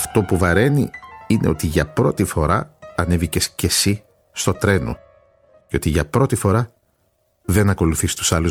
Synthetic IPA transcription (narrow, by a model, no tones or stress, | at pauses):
ɐft̪o̞puvɐɾe̞nḭine̞̰o̞t̪iʝɐpɾo̞t̪ifo̞ɾɐɐnevice̞sce̞si | st̪o̞t̪ɾe̞no̰ | ceo̞t̪iʝɐpɾo̞t̪ifo̞ɾɐ | ðe̞nɐko̞luθist̪u̥sɐlu